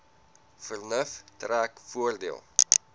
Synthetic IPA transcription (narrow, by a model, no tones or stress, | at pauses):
fərnəftræːkfuərdiəlˠ